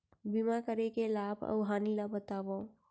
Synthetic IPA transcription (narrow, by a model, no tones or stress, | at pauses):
bimakəɾekelabʰʱə̰wɦanilabət̪abəũ